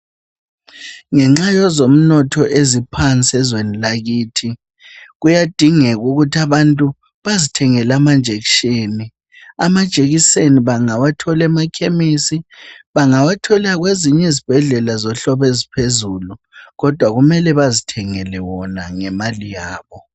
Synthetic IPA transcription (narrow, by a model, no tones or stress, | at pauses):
ŋɛŋ͡ǁajɔzom̩nɔtʰɔʔezipʰant͡sʼɛzwenilaɣiːtʰi | ɣujad̥ʱiŋɛɣuɣutʰiaβantʼu | βazitʰɛŋɛlamand͡ʒʱekʃeni | a̰mad̥ʒ̥ʱʼeɣiseniβaŋawatʰɔlɛmakʰemisiβaŋawatʰɔlaɣweziɲɛzib̥ʱɛɮɛlazɔɬɔβezipʰezulu | ɣɔd̥ʱwaɣumɛlɛβazitʰɛŋɛlɛwɔnaŋɛmalijaːβɔ